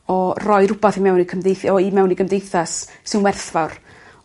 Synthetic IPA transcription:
ɔrɔjɾʊbaθimɛwnikʰəmdejθɔimɛwniɡəmdejθasːɪnwɛrθvawr

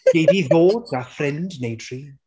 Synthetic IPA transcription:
ɡ̥ejdiðoːdafrɪndnejd̥ʰr̥iː

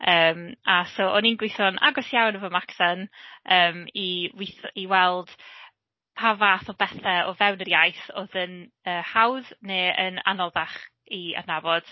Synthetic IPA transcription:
əːmasoʔɔninɡwɪθɔnʔa̰ɡɔsjawnəvɔmakʰθanəːmiwɪθiwɛlˠd̥ | pʰavaθɔbɛθɛɔvɛwnəɾjajθo̰ðən | əːhawðneːəna̰nɔðaχ | ia̰nabɔd̥

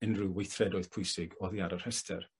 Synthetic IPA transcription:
ɪnrɨwweθrɛdɔɨð̥pʰʊjsɪɡɔðiaɾar̥hɛstʰɛ̰r

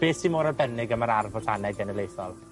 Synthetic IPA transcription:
b̥eːsimoːɾarbɛnɪɡəmaɾarvɔɬanɛɡənəlejθɔlˠ

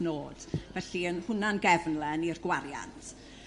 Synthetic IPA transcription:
noːd̥vɛɬiənhʊnanɡɛvnlˠɛnirɡwaɾja̰ntʰ

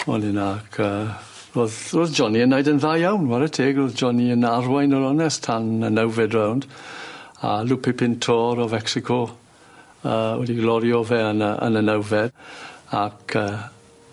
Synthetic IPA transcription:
ɔ̰nɪnakʰəː | roːðroːðd͡ʒɔniənːajdənðajjawnwaɾətʰeːɡroːðd͡ʒɔniənarwajnɔɾɔnɛstʰanənɛwvɛdrawnd | a̰lupʰɪpʰɪntʰɔɾɔvɛksɪkʰɔ | əːwɛ̰diɡlɔɾjɔvɛənəə̰nənɛwvɛdakʰəː

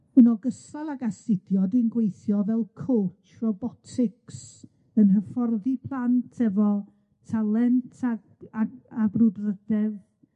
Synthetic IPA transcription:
ənɔɡəsalˠaɡasɪdjɔdinɡwejθjɔvɛlˠkʰoːt͡ʃʰ | rɔbɔtʰɪks | ənɦəfɔrðipʰlˠantʰɛvɔ | tʰalˠɛntʰa | aabrʊdrədɛð

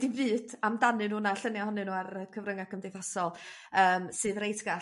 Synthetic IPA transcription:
divɨːd̥amdanɨnuːnaɬənjahɔnɨnuːarəkʰəvrəŋakʰəmdejθasɔlˠ | əːmsɨːðrejtʰɡa

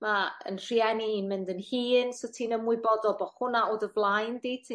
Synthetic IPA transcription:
maə̰nr̥iɛniiːnmɪndənhiːnsotʰiːnəmwʊbɔdɔlˠbɔhʊnaoːdəvlˠajndiːtʰː

